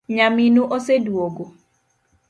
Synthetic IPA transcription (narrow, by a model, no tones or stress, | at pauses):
ɲaminuʔosedwoɡo